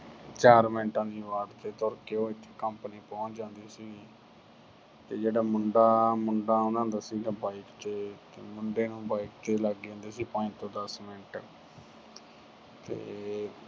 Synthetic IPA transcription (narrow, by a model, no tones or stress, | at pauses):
t͡ʃaːɾmɪnʈãːd̪iːbaːɾt̪eːt̪ɔːɾkeːoːit̪ʰe̥ːkəmpniːpɔ̃ːt͡ʃd͡ʒãːnd̪iːsiː | t̪eːd͡ʒeːɽaːmʊɳɖaːmʊɳɖãːõːd̪ãːnd̪aːsiːɡaːbaːikt̪eː | mʊɳɖeːnũːbaːikt̪eːləɡãːnd̪eːsiːpãːt̪õːd̪əsmɪnʈ | t̪ḛː